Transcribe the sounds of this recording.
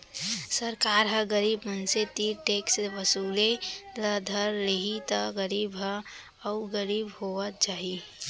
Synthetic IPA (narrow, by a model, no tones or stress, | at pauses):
səɾkaɾɦə̃ɡəɾiːbmənset̪iɾʈeksbəsuleləd̪ʱəɾleɦit̪əɡəɾibɦə̃ | əuɡəɾiːbɦoʋət̪̚t͡ʃaːɦi